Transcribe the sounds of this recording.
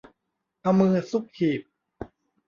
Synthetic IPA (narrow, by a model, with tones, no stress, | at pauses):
ʔʰa˧mːɯː˧ɐsu˦˥k̚hʰiː˨˩p̚